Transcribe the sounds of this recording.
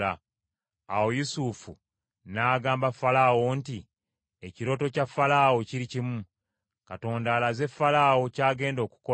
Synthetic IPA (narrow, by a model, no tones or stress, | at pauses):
a | awo̞jusufṵ | naːɡaːmbafalaːwo̞nti | eciɾo̞ːto̞cafːalaːwo̞ciɾicimu | kato̞ːndaːlaze̞fːalaːwo̞caːɡe̞ːndo̞ːku̥ko